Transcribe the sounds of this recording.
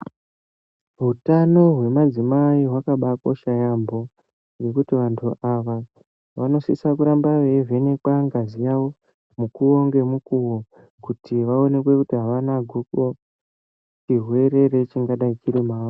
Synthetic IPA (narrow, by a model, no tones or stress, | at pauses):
ɦutano̞ɦwe̞mad͡zimaiɦwakaɓako̞ʃajambo̞ | je̞kutiʋantʰuʔaʋa | ʋano̞sḭsakuɾambaʋeve̞ne̞kwaŋɡazijawo̞ | mukuo̞ŋɡe̞mukuwo̞ | kutʰiʋao̞ne̞kwe̞kutiɦaʋanaɡʱuko | t͡ʃiɦwe̞ɾe̞ɾe̞t͡ʃiŋɡaɗait͡ʃiɾimaː